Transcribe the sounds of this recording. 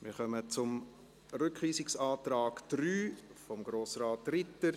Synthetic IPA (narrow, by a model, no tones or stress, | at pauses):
mɪɾχœmət͡sʊm | rʏkʋiːsɪksɑːtrɑːɡd̥ɾyːfɔmɡ̥ɾoːsraːtrɪtːə